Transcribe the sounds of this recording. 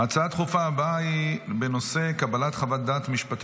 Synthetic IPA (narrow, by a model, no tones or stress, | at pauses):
at͡saat̪χufaːbaibeno̞se̞kabalat̪χavat̚d̪aːt̪miʃpat̪